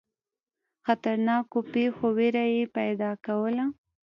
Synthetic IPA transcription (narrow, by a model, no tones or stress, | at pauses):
xat̪aɾnɑkopexoweɾajepajd̪ɑkawəla